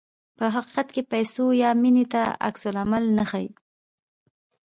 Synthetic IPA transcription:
pəɦaqi̥qat̪kepajsojɑminet̪aa̰ksʊlamalnəxaj

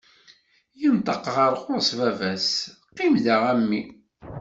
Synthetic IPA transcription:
jənt̪ˤɑqʁəɾˤqʊɾsvævæsqːimðəʁæmːi

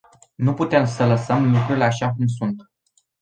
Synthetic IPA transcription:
nuput̪e̞msələsəmlukɾuɾileaʃakums̬unt̪

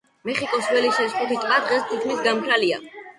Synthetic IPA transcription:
mɛχikʼɔsvɛliʃɛsχʼut̪ʰit̪ʼqʼwad̪ʁɛst̪ʰitkʰmisɡampʰɾalia̰

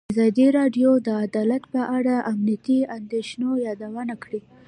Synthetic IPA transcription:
azɑd̪iɾɑɖjod̪əad̪ɑlat̪pəʔaɽaʔamnijat̪iand̪eʃnojɑd̪awənakɽi

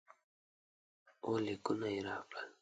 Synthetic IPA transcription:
olɪkʊnajɾa̰ːpa

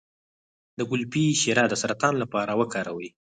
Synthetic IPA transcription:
d̪əɡʊlpiʃeɾɑd̪əsaɾat̪ɑnlapɑɾawəkɑɾawəj

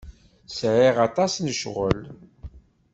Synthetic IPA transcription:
sʕiʁɑt̪ˤɑsnəʃʁə̰l

